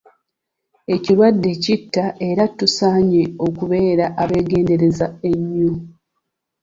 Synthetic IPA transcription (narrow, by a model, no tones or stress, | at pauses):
e̞ciɾwadːe̞citːaʔe̞ɾatːusaːɲeo̞kuβe̞ːɾaʔaβe̞ːɡe̞ːnde̞ɾe̞zae̞ɲːo